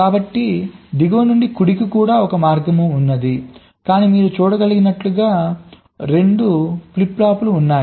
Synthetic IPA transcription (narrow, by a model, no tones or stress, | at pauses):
kaːbɐʈːid̪iɡɐʋɐnuɳɖikuɽik̬ikuːɽaːɔkɐmaːɾɡɐmuːnːɐd̪i | kaːniːmiːɾut͡ʃuːɽɐɡɐliɡinɐʈluɡaː | ɾe̞ɳɖupliplaːpuluːnːaːj